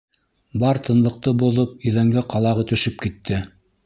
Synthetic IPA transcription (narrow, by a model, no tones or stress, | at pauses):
bɑɾt̪ɤ̆nlˠɤ̆q̚t̪ɤboðɤp̚iðæŋɡæqɑlˠɑʁɤt̪ɵ̆ʃɘp̚kit̪ʰːɘ